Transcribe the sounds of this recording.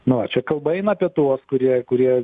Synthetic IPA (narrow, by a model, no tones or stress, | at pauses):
nʊʋɐt͡ʃʲɛkɐlˠbɐɛɪnɐpʲiɛt̪uɔskʊɾʲiɛkʊɾʲiɛ